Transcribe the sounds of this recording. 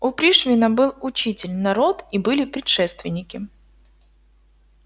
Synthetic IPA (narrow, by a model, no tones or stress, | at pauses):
ʊpɾʲiʂvʲɪnəbɨlˠʊt͡ɕitʲɪlʲnɐɾo̞t̪ibɨlʲɪpɾʲɪt̪ʂɛst̪vʲɪnʲːɪkʲɪ